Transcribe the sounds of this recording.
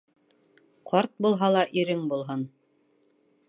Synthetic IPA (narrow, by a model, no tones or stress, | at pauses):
qʰɑɾt̪̚bulˠɦɑlˠɑʔiɾɘŋbulˠɦɤn